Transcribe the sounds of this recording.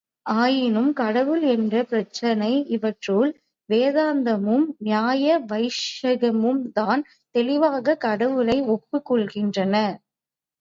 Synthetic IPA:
ʔaːjɪnɯmkɐɽɐʋɯlɛndrɐpɪɾɐt͡ʃːɐnɐɪʔɪʋɐʈroːl | ʋeːðaːnd̪ɐmɯmnjaːjɐʋɐɪʂɐɣɐmɯmt̪aːn | t̪ɛlɪʋaːɣɐkɐɽɐʋɯlɐɪɔpːɯkːɔɭɣɪndrɐnɐ

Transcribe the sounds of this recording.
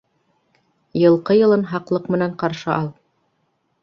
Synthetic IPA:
jɤ̆lˠqɤjɤ̆lˠɤnɦɑqlˠɤqmɘ̆næɴqɑɾʃɤʔɑlˠ

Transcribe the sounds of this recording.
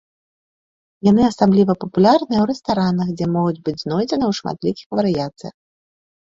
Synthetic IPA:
janɨasablʲivɐpɐpulʲarnɨjɛwɾɛst̪aɾanɐxd͡zʲɛmɔɣud͡zʲbɨd͡zʲznɔjd͡zʲɛnɨwʂma̰t̪lʲikʲixvɐɾɨjat̪sɨjɐ̰x

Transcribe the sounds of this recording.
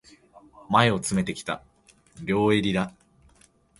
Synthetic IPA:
mae̞o̞t͡sɨme̞t̪e̞kʲi̥t̪a̰ | ɾʲo̞ːe̞ɾʲid̪a

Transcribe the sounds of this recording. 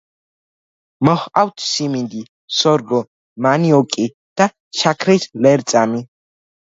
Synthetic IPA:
mɔχawt̪ʰsimind̪i | sɔɾɡɔ | maniɔkʼi | d̪̥a | ʃakʰɾɛslɛɾt̪t͡sʼami

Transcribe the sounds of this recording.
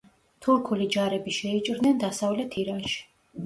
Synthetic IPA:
t̪ʰuɾkʰulid͡ʒaɾɛbiʃɛit͡ʃʼɾd̪nɛnd̪asavlɛt̪ʰiɾanʃi̥

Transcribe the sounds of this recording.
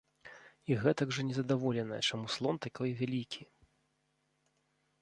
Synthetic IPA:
iɣɛt̪ɐɡʐɐnʲɛzɐd̪avɔlʲɛnɐ̰jɛt͡ʂamuslˠɔnt̪akʲɔjvʲalʲikʲi

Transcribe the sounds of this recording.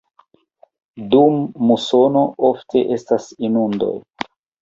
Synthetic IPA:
dumːuso̞nooftʰe̞ʔe̞stasinundo̞̰j

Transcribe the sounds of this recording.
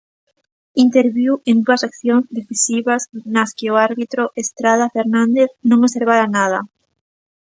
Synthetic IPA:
int̪eɾβiwend̪uasakθjõŋzðeθisiβaznaskɪoaɾβit̪ɾoʔest̪ɾað̞afeɾnãnd̪eθnõŋoseɾβaɾanað̞a

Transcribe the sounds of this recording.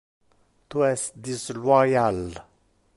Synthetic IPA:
t̪ʰuɛsd̪islwajal

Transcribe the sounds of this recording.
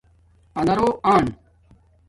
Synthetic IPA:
ɐnɐɾoːʔaːɳ

